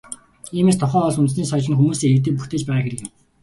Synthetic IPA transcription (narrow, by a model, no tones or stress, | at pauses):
iːmeːs̬t̪ʰɔχœːɔɮunt̪sniːsɔt͡ɕɪ̆nxumuːsiːŋek̚t̪̬ɘ̆ːk̚puxt̪eːt͡ɕpæːʁaːxeɾɘ̆kjɪm